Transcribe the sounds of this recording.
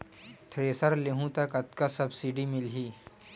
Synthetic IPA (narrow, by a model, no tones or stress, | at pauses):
t̪ʰɾeːsəɾleɦũt̪ɐkɐt̪̚kasɐbsiɖimɪlɦiː